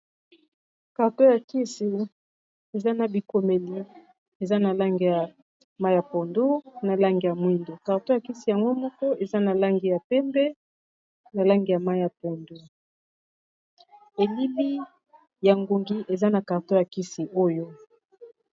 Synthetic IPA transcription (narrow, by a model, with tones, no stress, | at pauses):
ka˨ʁto˦ja˨ki˦si˨ | e˨za˦na˨bi˨ko˨me˨li˨ | e˨za˦na˨la˦ŋɡi˨ja˨ | ma˦ja˨po˨ndo˦na˨la˦ŋɡi˨ja˨mwi˦ndo˨ka˨ʁto˦ja˨ki˦si˨ja˨ŋɡo˦mɔ˦kɔ˦ʔe˨za˦na˨la˦ŋɡi˨ja˨pɛ˦mbɛ˦ | na˨la˦ŋɡi˨ja˨ma˦i˦ja˨po˨ndo˦ | e˨li˦li˦ | ja˨ŋɡo˨ŋɡi˦ʔe˨za˦na˨ka˨ʁto˦ja˨ki˦si˨ʔo˦jo˦